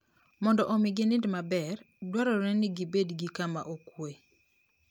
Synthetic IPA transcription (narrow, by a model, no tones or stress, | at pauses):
mɔndɔʔomɪɡɪnɪndmabɛr | dwaɾɔɾɛnɪɡibedɡikama̰ʔokwe